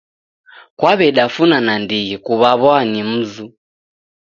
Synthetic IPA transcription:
kwaβɛɗafunanandiɣikuβaβɔanim̩zu

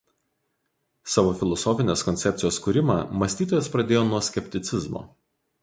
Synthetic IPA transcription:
sɑːʋoːfʲɪlˠɔsɔfʲɪnʲeːskɔnʲt̪sʲɛp̪ʲsʲjoːskuːɾʲɪmɑːmɐsʲt̪ʲiːt̪oːjɛspɾɐd̪ʲeːjoːnuɔsʲkʲɛpʲt̪ʲɪt̪sʲɪzmo̰

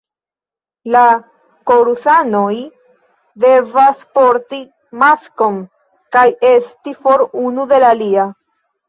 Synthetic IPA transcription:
la | ko̞ɾusano̞j | de̞vaspo̞ɾti | masko̞n | kaje̞stifo̞ɾunude̞lalia

